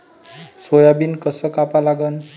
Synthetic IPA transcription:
sojabinkʌsʌkapalaɡʌn

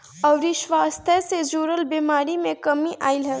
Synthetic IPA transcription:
ɔʊɾiʃʋaːst̪ʰəsed͡ʒuːɾəlbemaːɾimẽkəmiʔaːilɦɛ

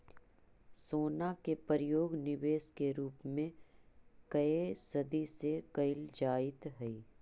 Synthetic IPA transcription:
soːnakepəɾɪjoːɡnɪʋeːskeɾuːpmẽ | kɐesɐd̪isekɐɪld͡ʒaːɪt̪ɦɛiː

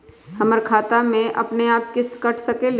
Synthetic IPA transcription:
hɐməɾkʰaːt̪amẽʔɐ̰pneaːp̚kɪst̪kɐʈʰsɐkel

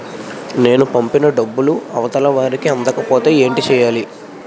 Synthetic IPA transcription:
ne̞ːnupɐmpinɐɖɐbːuluɐʋɐt̪ɐlɐʋaːɾikiɐnd̪ɐkɐpo̞ːt̪e̞ːeːɳʈit͡ʃɛːjaːli

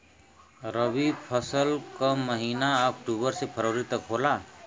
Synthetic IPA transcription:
ɾəbipʰəsəlkəməɦinaːkʈubəɾsepʰəɾəwɾit̪əkɦola

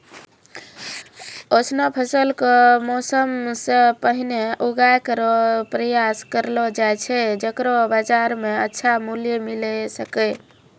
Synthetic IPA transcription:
osnɔpʰəsəlkɔmɔsəmsẽpəɦineʔuɡajkəɾɔpɾəjaskəɾlɔd͡ʒajt͡ʃʰɛd͡ʒəkɾɔbad͡ʒaɾmeətːʃʰamuljemilesəkɛ

